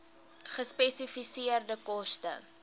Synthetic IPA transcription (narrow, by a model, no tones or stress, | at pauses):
χəspɛsifisiərdəkɔstə̰